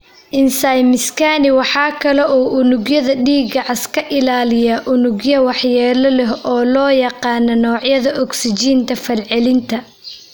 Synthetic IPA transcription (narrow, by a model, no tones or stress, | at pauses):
ʔɪnsajmɪskʰaːnɪwɑħɑːkʰɐlɛʔɔːʔʊnʊɡjɐðɐɖiːɡɐʕɑskʰɐʔɪlaːlɪjɐʔʊnʊɡjɐwɑħjɛːlɐlɛɦɔːlɔːjɑqɑːnɔnɔːʕjɐðɐʔɔksɪt͡ʃiːnt̪ʰɐfɐlʕɛlɪnt̪ʰɐ